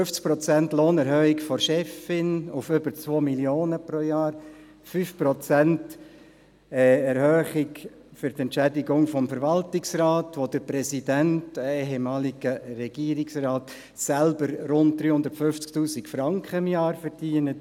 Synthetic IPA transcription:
ɵft͡sk̚pɾɔt͡sæntloːnɛɾhœːikfɔɾʃɛfɪnufʏbəɾt͡sʋoːmiljoːnəpɾojɑːɾ | fyːfprɔt͡sænt | ɛːɛɾhœːχɪk | fʏɾt̪ɛntt͡ʃædɪɡʊŋfɔmfəɾʋɑltɪksrɑːtʋod̥əɾpɾɛsidæntɛɪɦemɑːliɡ̥ərɛɡ̥iəɾɪksrɑːt | sælbəɾɾʊnt̚d̥̪ɾyːhʊndəɾtfʏft͡sktuːsɪkfɾɑŋkχəɪmjɑːɾfəɾd̥iːənət

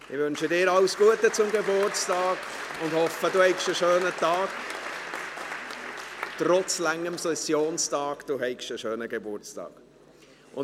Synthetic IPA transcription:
ɪʋʏnʃədɪːɾɑwsɡ̥uətət͡sʊmɡebʊrt͡stɑːk | ʊndhɔfəduhɛɪkʃəʃøːnətɑːk | trɔt͡slæŋːəmsɛsjoːnstɑːkd̥uɦɛɪkʃəʃøːnəɡebʊɾt͡stɑ̰ːk | ʔʊ

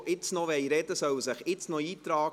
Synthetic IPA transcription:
ʔɪt͡snɔʋɛɪɾɛd̪əsœwsəχɪt͡snoiːt̪ɾɑː

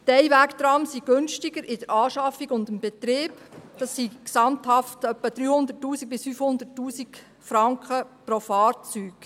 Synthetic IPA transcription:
tɛjʋækt̪ɾɑmsiɡ̥ønʃtiɡəɾʔɪd̥əɾɑːʃɑfːiɡʊndəmbɛt̪ɾɪːbd̥ɑsːiksɑmthɑftœpːəd̥ɾyːhʊnd̪ətːuːsiɡ̥̚bɪsfyːfhʊnd̪ətːuːsik | fɾɑŋkχəpɾofɑːɾt͡syːk

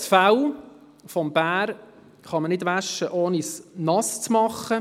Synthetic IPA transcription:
sfaw | fɔmb̥æːɾ | χɑmənɪdʋæʃːəʔoːnisnɑst͡smɑχːə

